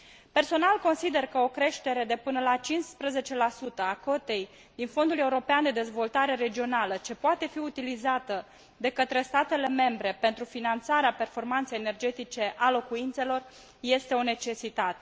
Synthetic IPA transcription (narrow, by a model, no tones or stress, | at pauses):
pe̞rso̞nalko̞nsid̪e̞rkəo̞kɾe̞ʃt̪e̞ɾe̞d̪e̞pɨnəlat͡ʃinspɾəze̞t͡ʃe̞lasut̪əako̞t̪e̞j | d̪info̞nd̪ule̞uɾo̞peand̪e̞d̪e̞zvo̞lt̪aɾe̞ɾe̞d͡ʒio̞nalət͡ʃe̞poat̪e̞fiut̪ilizat̪ə | d̪e̞kət̪ɾe̞st̪at̪e̞le̞me̞mbɾe̞pe̞nt̪ɾufinant̪saɾeape̞rfo̞rmant̪sejene̞rd͡ʒe̞t̪it͡ʃe̞ʔalo̞kuint̪se̞lo̞r | je̞st̪e̞o̞ne̞t͡ʃe̞sit̪at̪e